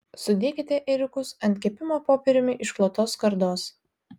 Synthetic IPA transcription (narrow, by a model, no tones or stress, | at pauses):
sʊd̪ʲeːkʲɪt̪ʲɛʔɛɾʲʊkʊsɐnʲt̪ʲkʲɛːpʲɪmoːpoːpʲɛɾʲʊmʲɪʔɪʃklˠoːt̪oːskɐɾd̪oːs